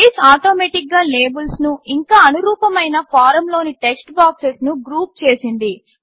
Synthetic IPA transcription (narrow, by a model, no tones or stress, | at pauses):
iːsaːʈoːmeːʈik̚ɡaːle̞ːbulsnuiŋkaːɐnuɾuːpɐmɐjnɐpaːɾɐmlo̞ːniʈeksʈbaːksesnuɡɾuːp̚t͡ʃe̞ːsind̪i